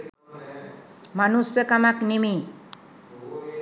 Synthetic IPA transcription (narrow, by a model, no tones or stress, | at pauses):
manusjʌkamaknimi